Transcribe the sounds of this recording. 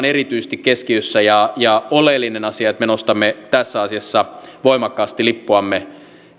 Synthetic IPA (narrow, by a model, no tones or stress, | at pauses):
nerit̪yist̪ikkːeskiøsːæjɑjɑolelːinenɑsiɑet̪menost̪ɑmːet̪æsːæɑsiɑsːɑʋoimɑkːɑːst̪ilipːuɑmːe